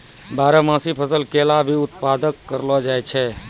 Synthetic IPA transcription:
baːɾəmãsipʰəsəlkelabʱiʊt̪pad̪əkːəɾlɔd͡ʒajt͡ʃʰɛ

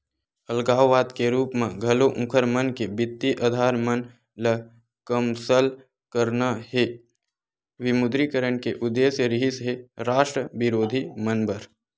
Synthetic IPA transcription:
əlɡaːwːaːd̪keɾuːpmẽɡʱɐloʔũkʰəɾmənkebɪt̪ːiʔəd̪ʱaːɾmən | lə | kəmsəl | kəɾnahe | ʋɪmʊd̪ɾikəɾəɳkeʔʊd̪ːeːsjəɾɪɦɪsɦeɾaːʃʈɾəbɪɾoːd̪ʱimənbəɾ

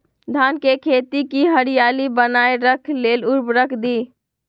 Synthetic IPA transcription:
d̪ʱankekʰet̪ikiɦəɾijalibənaeɾəkʰleluɾbɾəkʰd̪i

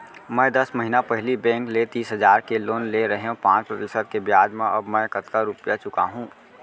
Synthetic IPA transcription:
mɛ̃ːd̪ɐsməɦinapɛɦlibɛ̃ːŋklet̪iːsɦəzaːɾkeloːnleɾɐɦeõpãːt͡ʃpɾət̪ɪsəd̪̚kebjaːd͡ʒmẽʔɐbmɛ̃kət̪kaɾʊpjat͡ʃʊka̰ɦũː

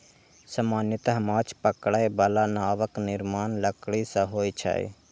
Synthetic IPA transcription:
sɐmaːnjət̪ɦɐmaːt͡ʃʰpəkɽaebalanaːʋəknɪɾmaːnləkɽisɐɦoːit͡ʃʰa̰ːḛː

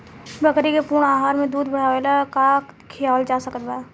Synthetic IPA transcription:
bəkɾikepʊɾɳaːɦaːɾmẽd̪uːd̪bəɽ̤aːʋelakakʰɪjaːld͡ʒaːsəkət̪baː

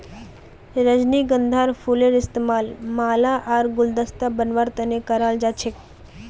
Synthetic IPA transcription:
ɾəd͡ʒniɡənd̪ʱaːɾfʰuleɾɪst̪emaːlmaːlaʔaːɾɡʊld̪əst̪abənʋaɾt̪ɐnekəɾaːld͡ʒaːt͡ʃʰek

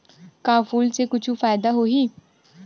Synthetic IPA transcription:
kaːfuːlseːkʊt͡ʃʰũːfaːɪd̪aːɦoːɦiː

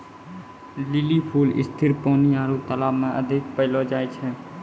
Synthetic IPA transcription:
lɪliːpʰuːlɪ̰st̪ʰɪɾpoːniːaːɾuːt̪əlaːbmẽʔə̰d̪ʱɪk̚pəɪlod͡ʒaːet͡ʃʰɛː

